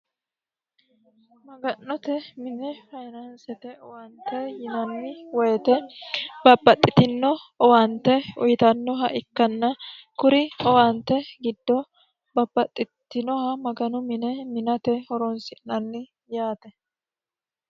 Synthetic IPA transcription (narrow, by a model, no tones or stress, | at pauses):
mɐɡɐnːɔt̪ɛmɪnɛfɐjnɐnsɛt̪ɛɔwɐnt̪ːɛjɪnɐnːɪwɔjɛt̪ɛbɐbːɐt̪ʼːɪt̪ɪnːɔɔwɐnt̪ːɛʊjt̪ɐnːɔɦɐʔɪkːɐnːɐ | kʊɾɪɔwɐnt̪ːɛɡɪd̪ːɔ | bɐbːɐt̪ʼːɪt̪ːɪnɔhɐmɐɡɐnʊmɪnɛmɪnɐt̪ɛhɔɾɔnsɪnɐnːɪ | jaːt̪ɛ